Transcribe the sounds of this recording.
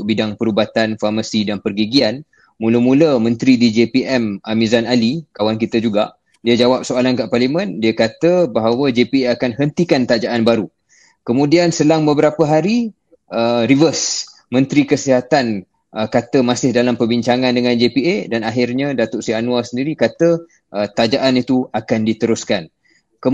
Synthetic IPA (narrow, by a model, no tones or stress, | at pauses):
bidaŋpəɾubat̪anfarmasidanpərɡiɡian | mũləmũləmə̃nt̪ɾidid͡ʒepiʔɛmamizanalikawankit̪əd͡ʒuɡa̰ʔ | diəd͡ʒawap̚soalankaʔparlimə̃ndiəkat̪əbaɦawəd͡ʒepieakanɦənt̪ikant̪ad͡ʒaʔanbaɾu | kəmũdiansəlaŋbəbəɾapəɦaɾi | əɾivəs | mə̃nt̪ɾikəsiɦat̪an | əkat̪əmasɪhdalampərbiɲt͡ʃaŋandəŋãnd͡ʒepiedanaɦɪrɲãdat̪ʊʔsianũasəndiɾikat̪ə | ʔət̪ad͡ʒaʔanit̪uakandit̪əɾʊskan | kə